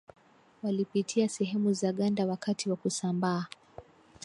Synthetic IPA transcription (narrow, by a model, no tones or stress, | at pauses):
walipitʰiasɛɦɛmuzaɠandawakatʰiwakusambaː